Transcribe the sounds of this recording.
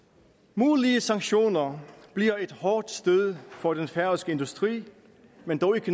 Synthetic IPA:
muːliəsɑ̈ŋɕo̝̰ːnɐb̥liɐe̝d̥hɒːd̥sd̥øð̞ˠfɒ̽d̥enfæɐsɡ̥əe̝nd̥usd̥ʁḭː | mend̥ɒʊikʰə

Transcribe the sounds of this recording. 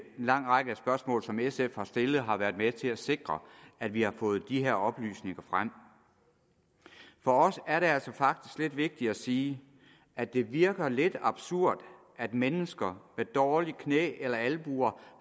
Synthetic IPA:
nlɑ̈ŋ̰ʁɑɡ̥əæsb̥ɶɐsmɔ̰̽ːlsɒ̽mesefhɑ̈sd̥e̝lð̞̩ˠɦɑ̈ʋæːɐdˠmet͡sʰe̝læse̝ɡ̥ʁɐæd̥ʋihɑ̈fɔ̽ːð̞̩ˠd̥ihe̝ɐɒ̽b̥ly̰ːsne̝ŋɐfʁam̰ | fɒ̽ɒ̽sæɐɾe̝æl̰sɒ̽fɑ̈ɡ̥̚d̥isɡ̥le̝d̥ʋe̝ɡ̥̚d̥i̥æsiː | æd̥e̝ʋiɐɡ̥ɐle̝d̥ɑ̈b̥suɐ̰d̥ | ʔæd̥menəsɡ̥ɐmed̥ɒːlikʰnḛːelɐælb̥uːɐ

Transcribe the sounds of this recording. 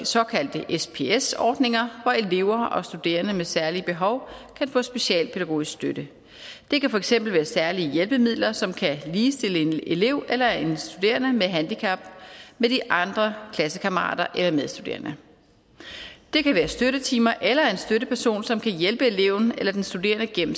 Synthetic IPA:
sɒ̽kʰæld̥əʔespʰe̝esɒ̰ːd̥ne̝ŋɐʋɒe̝le̝ʊ̰ɐɒ̽sd̥ud̥e̝̰ːɐnəmesæɐliəb̥e̝ɦɒ̽ʊkʰænfɔ̽sb̥e̝ɕɛ̰ːlpʰe̝ɾæɡ̥o̝̰ːisɡ̥sd̥øɾ̥ə | d̥e̝kæfɒ̽eɡ̥sem̰b̥l̩ʋæːɐsæɐliəjelb̥əmið̞̰ˠlɐsɒ̽mkʰæliːsd̥e̝ləene̝le̝ʊ̰elɐe̝nsd̥ud̥e̝̰ːɐnəmeɦænd̥ikʰɑ̈b̥med̥iʔɑ̈nd̥ʁɐkʰlæsəkʰɑməʁɑ̰̈ːd̥ɐʔelɐmeðˠsd̥ud̥e̝̰ːɐnə | d̥e̝kæʋæːɐsd̥øɾət͡sʰiːmɐʔelɐe̝nsd̥øɾəpʰæɐso̝̰ːnsɒ̽mkʰæjelb̥əe̝le̝ʊn̩elɐd̥ensd̥ude̝̰ːɐnəɡ̥emm̩

